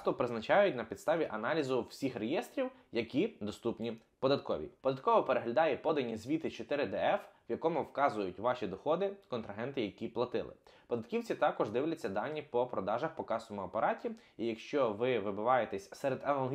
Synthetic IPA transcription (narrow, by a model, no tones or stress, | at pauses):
t̪ɔpɾɪznɐt͡ʃɑjʊtʲnɐpʲid̪st̪ɑʋʲiʔɐnɑlʲizʊw̥sʲixrejɛst̪ɾʲiwjɐkʲid̪ɔst̪upnʲi | pɔd̪ɐt̪̚kɔ̰ʋʲḭpɔd̪ɐt̪̚kɔʋɔpeɾeɦlʲɐd̪ɑjɛpɔd̪ɐnʲːizʲʋʲit̪ɪt͡ʃɔt̪ɪɾɪd̪ɛɛfʋjɐkɔmʊwkɑzʊjʊtʲʋɑʃʲid̪ɔxɔd̪ɪkɔnt̪ɾɐɦɛnt̪ɪjɐkʲiplˠɐt̪ɪ̰lˠɪ̰pɔd̪ɐt̪kʲiwt͡sʲit̪ɑkɔʒd̪ɪʋwlʲɐt͡sʲːɐd̪ɑnʲːipɔpɾɔd̪ɑʒɐxpɔkɑsɔmʊɐpɐɾɑtʲi | ijɐkʃt͡ʃɔʋɪʋɪbʊʋɑjet̪ɛsʲsɛɾed̪ɐnɐlˠɦ